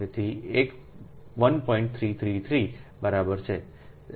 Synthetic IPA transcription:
et̪ʰiek | ʋənpɔ̃ĩɳʈ̚t̪ʰɾit̪ʰɾit̪ʰɾibəɾabəɾt͡ʃʰe

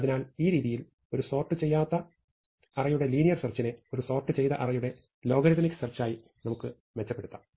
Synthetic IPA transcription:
ɐðinaːliːɾiːðijil | o̞ɾuso̞ːrʈːɨt͡ɕe̞jːaːt̪ːɐ | ɐrɐjuɽe̞liːnijɐrsɐrt͡ɕːine̞o̞ɾuso̞ːrʈːɨt͡ɕe̞jðɐʔɐrɐjuɽe̞ | lo̞ːɡɐɾiðɐnikːsɐrt͡ɕːaːji | nɐmukːɨ | met͡ɕːɐpːe̞ɽut̪ːɐ

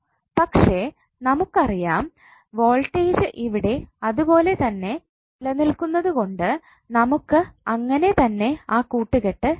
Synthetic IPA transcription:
pɐkʂe̞ | nɐmukːɐrijaːm | ʋoːlʈːeːd͡ʑɨʔiʋiɽe̞ɐðupo̞ːle̞t̪ɐnːe̞ | ilɐnilkunːɐðuko̞ɳɖɨ | nɐmukːɨɐŋːɐne̞t̪ɐnːe̞aːkuːʈːɨɣeʈːɨ

